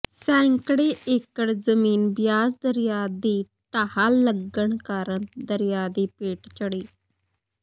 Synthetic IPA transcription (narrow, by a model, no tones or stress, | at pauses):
sɛ̃ːŋkɽeːʔeːkəɽzəmiːnbjaːzd̪əɾɪjaːd̪iː | ʈaːhaːləɡəɳkaːɾəɳd̪əɾɪjaːd̪iːpeːʈt͡ʃəɽiː